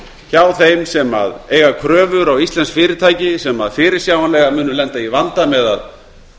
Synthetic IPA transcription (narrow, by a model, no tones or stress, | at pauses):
çaːwθejmsɛma̰ðeːjɣakʰɾœːvʏɾawist̪lɛnskfɪːɾɪɾt̪ʰaːjcɪsɛmaðfɪːɾɪ̥sjaːwanlɛɣamʏːnʏlɛnt̪aivant̪amɛða̰ð